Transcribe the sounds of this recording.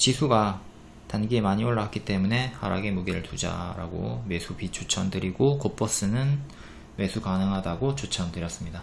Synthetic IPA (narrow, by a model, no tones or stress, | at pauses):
t͡ɕisʰuɡa | tanɡiemaɲioɭːaak͈it͈e̞mune̞ha̰ɾaɡe̞muɡeɾɯɭtud͡ʑa̰ɾa̰ɡo̰me̞sʰupit͡ɕ͈ot͡ɕʰʌndɯɾiɡokop͈ʌs͈ɯnɯn | me̞sʰukanɯŋɦadaɡot͡ɕot͡ɕʰʌntɯɾjʌs͈ɯmɲida